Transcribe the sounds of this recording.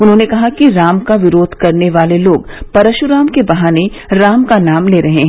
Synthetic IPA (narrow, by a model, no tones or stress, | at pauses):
ʊnɦõːnekɐɦakiɾaːmkaʋɪɾoːd̪ʱkɐɾneʋaːleloːɡpɐɾəʃʊɾaːmkebɐɦaːne | ɾaːmkanaːmleːɾɐɦeɦɛ̃ː